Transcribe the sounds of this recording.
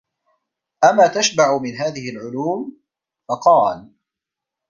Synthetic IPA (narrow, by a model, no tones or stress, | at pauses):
ʔamːaːt̪aʃbaʕʊmɪnɦaːðɪhɪlʕʊluːm | fɑqɑːl